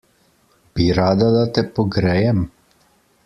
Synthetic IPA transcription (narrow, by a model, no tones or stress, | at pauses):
b̥iɾaːd̪ad̪at̪ɛpɔɡɾɛːjɛm